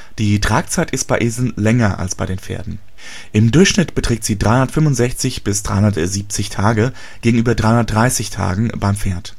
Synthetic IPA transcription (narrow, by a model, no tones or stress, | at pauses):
d̥iːtʁ̥aːk̚t͡saɪtɪst̚b̥aɪʔeːzl̩nlɛŋɐʔa̰lsb̥aɪdeːnfḛːɐdn̩ | ʔɪmdʊɐçʃnɪtb̥ətʁ̥ɛːktz̥iːdʁaɪhʊndɐtfʏmvʊntz̥ɛçt͡sɪçb̥ɪsd̥ʁa̰ɪhʊndɐtziːp̚t͡sɪçtʰaːɡə | ɡ̥eːɡŋ̩ʔyːbɐdʁaɪʊndɐtdʁaɪsɪçtʰa̰ːɡŋ̩baɪmfeːɐt